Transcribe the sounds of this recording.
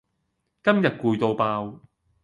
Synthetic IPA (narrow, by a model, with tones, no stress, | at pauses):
kɐ˥mjɐ˨t̚kuː˧jt̪o˧wpaː˧w